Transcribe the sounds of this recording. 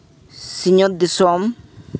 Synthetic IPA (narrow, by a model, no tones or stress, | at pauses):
siɲod̪isɔm